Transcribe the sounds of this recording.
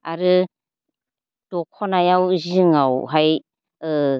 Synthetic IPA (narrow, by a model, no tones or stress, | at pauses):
aɾɯ | d̥ɔkʰɔnajawzɯŋawɦaj